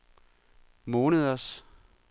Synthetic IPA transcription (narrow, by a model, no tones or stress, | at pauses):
moːnəðˠɐs